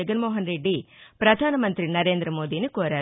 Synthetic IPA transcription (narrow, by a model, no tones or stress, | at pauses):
ɐɡɐnmoːɦɐnɾeɖːipɾɐd̪ʱaːnɐmɐnt̪ɾinɐɾe̞ːnd̪ɾɐmoːd̪iːnikoːɾaː